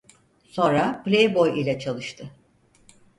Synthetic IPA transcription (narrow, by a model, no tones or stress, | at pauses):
sõ̞nɾaplʲejbo̞jilʲɛt͡ʃʰalˠɯʃt̪ʰɯ